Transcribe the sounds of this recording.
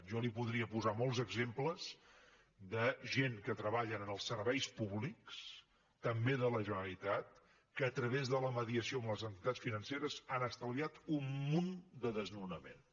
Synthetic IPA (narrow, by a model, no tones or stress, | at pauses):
ʒɔlipuðɾiəpuzamɔlˠzəɡzempləz | d̪əʒeŋkət̪ɾəβaʎənənəlˠsəɾβɛjspuβliks | t̪əmbeðələʒənəlit̪at̪̚ | kəːt̪ɾəβezðələməðiəsioəmləzənt̪it̪at͡sfinənseɾəzanəst̪əlˠiat̪umːund̪əðəznunəmḛn